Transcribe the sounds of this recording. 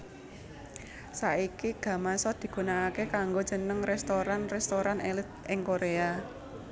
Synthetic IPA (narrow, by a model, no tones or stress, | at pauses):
saikiɡ̥ä̤masɔd̪̥i̤ɡ̥ṳnaːkekaŋɡo̥d͡ʒ̥ənəŋrɛst̪oɾanrɛst̪oɾanelɪt̪̚ɪŋkoɾea